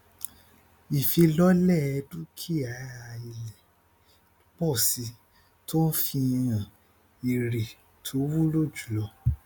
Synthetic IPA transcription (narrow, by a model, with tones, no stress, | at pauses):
i˨fi˧lɔ˦lɛ˦˨ɛ˧du˦kʰi˦˨a˨˦a˨i˨lɛ˨˦ | bɔ˦˨si˧ | tʰo˦fi˧jã˨ | i˨ɾe˨ | tʰo˨˦wu˦lo˦˨d͡ʒu̥˨lɔ˧